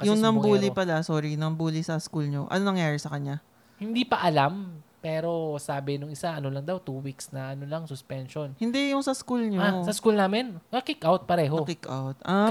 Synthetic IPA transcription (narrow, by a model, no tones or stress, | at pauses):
kɐjʊŋnɐmbuːlɪpɐlasoːɾinɐmbuːlɪsɐskulɲoʔɐ̰nonɐŋjaːɹɪsɐkɐɲa | hɪnd̪ipɐʔɐlampɛːɾo̞saːbɪnʊŋɪsaʔɐnolɐŋd̪awt̪uːwiksnɐʔɐnolɐŋsʊspɛnʃonhɪnd̪ɛjʊŋsɐskulɲoasɐskulnaːmɪnkɐkikʔawt̪̚pɐɾɛːɦokikʔa̰wt̪̚ʔa